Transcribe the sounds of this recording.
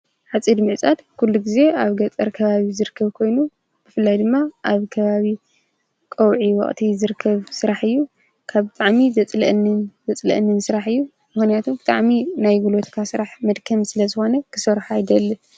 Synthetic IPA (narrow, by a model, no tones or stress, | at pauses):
ħat͡sʼid̪mɨʕt͡sʼat̪kʰulːuɡize̞aβɡɐt͡sʼɐɾkʰɐβaβizɨɾɨkʰːɐβkʰo̞jnu | b̥ɨfɨlːajd̪ɨmːaʔaβkʰɐβaβi | kʼɐwʕiwɐ̰χʼt̪ʰizɨɾɨkʰːɐβsɨɾaħɨjːu | kʰaβbɨt̪ʼaʕmizɐt͡sʼlɐʔnːɨnzɐt͡sʼlɐ̰ʔnːɨnsɨɾaħɨjːu | mɨxnijat̪ʰubɨt̪ʼaʕminajɡulo̞t̪kʰasɨɾaħmɐd̪kʰɐmsɨlɐzɨxo̞nɐkʰɨ̥sɐɾħajd̪ɐlːɐ